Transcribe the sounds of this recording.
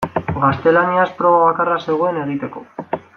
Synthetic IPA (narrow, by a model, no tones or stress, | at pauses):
ɡast̪e̞laniaspɾo̞βaβakarase̞ɣoene̞ɣ̞it̪e̞ko̞